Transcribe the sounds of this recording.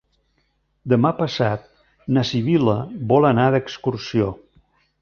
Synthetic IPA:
d̪əmapəsat̪̚ | nəsiβiləβɔlˠənaðəkskursio

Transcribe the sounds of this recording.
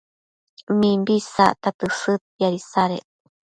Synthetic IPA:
mimbisaʔt̪at̪ɨsɨt̪̚jaɾisaɾḛ

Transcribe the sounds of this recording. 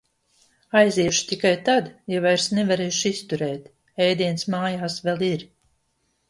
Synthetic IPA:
ajziɛʃt̪ikajt̪ad̪javajɾsnɛvaɾeːjʃist̪uɾɛːt̪ | ɛjd̪iɛnsmaːjaːsvɛlˠiɾ

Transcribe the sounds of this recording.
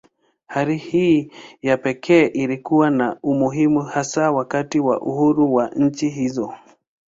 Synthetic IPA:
haɾihiːjapɛkʰɛːʔilikuwanaumuɦimuhasawakatiwa̰ʔuhuɾuwaɲ̩t͡ʃiɦizɔ

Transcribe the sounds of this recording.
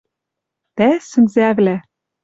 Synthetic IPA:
t̪æsɘ̆nzæβlæ

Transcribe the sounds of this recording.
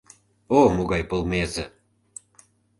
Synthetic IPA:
omoɣɑjpolˠmezə̆

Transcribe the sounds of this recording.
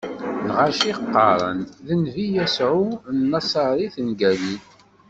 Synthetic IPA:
nʁaʃiqːɑ̰ɾˤə̰nðənvijæsʕunnːɑsˤɑɾˤiθənɡæli

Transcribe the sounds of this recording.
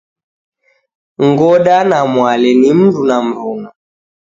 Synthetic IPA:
ŋɡɔɗanamwalɛnim̩ndunam̩ɾuŋa

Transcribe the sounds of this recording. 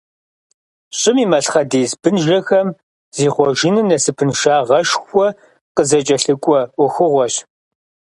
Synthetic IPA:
ɕʼɪmiːmɐɬχɐdeːzbɨnʒɐxɐm | z̥iːχʷɔʒɪnɨnɐsɨpʰɨnʃaːʁɐʃxʷɔ | qəzɐt͡ʃʼɐɬɨkʷʼɔʊxɨʁʷɔɕ

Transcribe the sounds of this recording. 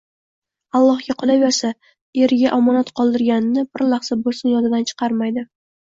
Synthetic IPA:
ɑlˠːɒhɡʲaqʰolˠaveɾsa | eɾɪɡʲaʔamɒnat̪qʰɒlˠd̪ɪɾɡʲanɪnɪbɪɾlɑχsabolˠsɪnjɒnɪd̪ant͡ʃʰɨ̥qʰɑɾmajd̪ɪ

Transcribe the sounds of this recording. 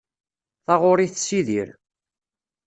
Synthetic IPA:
θɑʁʊɾiθsiðiɾ

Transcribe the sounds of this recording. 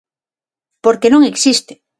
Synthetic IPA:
poɾkenõŋeksist̪e̥

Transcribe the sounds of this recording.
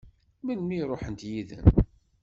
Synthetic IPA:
mənmiɾˤoħənt̪jiðə̰n

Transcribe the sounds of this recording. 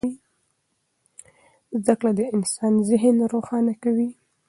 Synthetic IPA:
i | zd̪aklad̪əɪnsɑnzɪɦnɾoxɑnakawi

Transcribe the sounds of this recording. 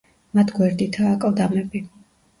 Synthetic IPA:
mat̪ʰɡwɛɾd̪it̪ʰaːkʼɔvd̪amɛbi

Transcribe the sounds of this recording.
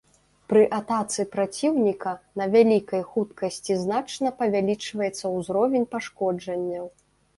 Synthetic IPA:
pɾɨʔat̪at̪sɨpɾat͡sʲiwnʲikɐnɐvʲalʲikɐjxut̪kɐsʲt͡sʲiznat͡ʂnɐpɐvʲalʲit͡ʂvɐjɛt̪sːɐwzɾɔvʲenʲpaʂkɔd͡ʐɐnʲːɐw

